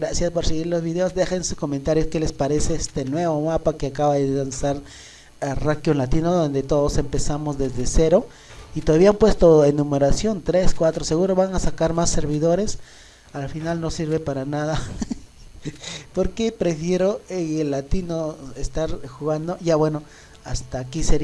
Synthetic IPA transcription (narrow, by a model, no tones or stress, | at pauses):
ɡɾasjaspoɾseɣiɾlo̞zβiðe̞ozd̪e̞xensusko̞ment̪aɾjoskelespaɾe̞se̞est̪e̞nwe̞βo̞mapake̞akaβaðelansaɾ | arakjonlat̪inoðo̞nd̪e̞t̪o̞ðose̞mpe̞samo̞zðe̞zðe̞se̞ɾo̞ | it̪oðaβiaampwest̪o̞enːũme̞ɾasjo̞nt̪ɾe̞skwat̪ɾose̞ɣuɾo̞βaŋasakaɾmasːe̞ɾβiðo̞ɾe̞s | alfinalno̞siɾβe̞paɾanaða | po̞ɾke̞pɾe̞fje̞ɾo̞eelːat̪inoest̪aɾxuɣand̪o̞ʝaβwe̞no̞ | ast̪aːkiseɾ